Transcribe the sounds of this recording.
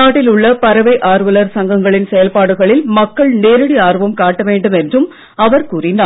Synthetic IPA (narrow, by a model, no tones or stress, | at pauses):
aːʈːɪlʊɭːɐpɐɾɐʋɐɪʔaːɾʋɐlɐɾsɐŋɡɐŋɡɐɭɪnsɛjɐlpaːɽɯɣɐɭɪlmɐkːɐɭneːɾɯɽiaːrʋɐmkaːʈːɐʋeːɳɖɯmɛndrɯm | ɐʋɐɾkuːrɪnd̪aː